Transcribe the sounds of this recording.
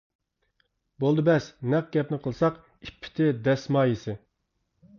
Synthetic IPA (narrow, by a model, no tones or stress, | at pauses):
bolˠd̪ɨbɛsnɛq̚ɡʲɛp̚nɪqʰəlˠsɑq | ipʰːɪ̥t̪ʰɪd̪ɛsmɑːjisɪ